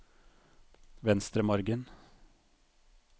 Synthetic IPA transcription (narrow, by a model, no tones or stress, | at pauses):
ʋɛnst̪ɾəmɔɾɡən